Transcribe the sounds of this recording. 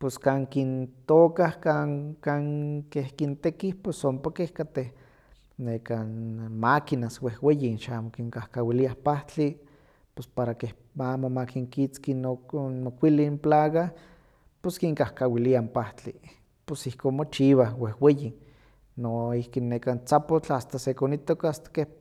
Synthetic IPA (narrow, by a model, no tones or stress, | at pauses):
poskaːŋkint̪oːkahkaŋkaːŋkehkint̪ekihposompakehkat̪eh | nekanmakinaswehwejinʃaaːmokiŋkahkawiliahpaht͡ɬi | pospaɾakeh | aːmomakiŋkit͡skinomokʷilimplaːɣa | poskiŋkahkawiliampaht͡ɬi | posihkoːnmot͡ʃiβahwehweji | noihkinːekant͡sapot͡ɬast̪asekonit̪okast̪ḁkeh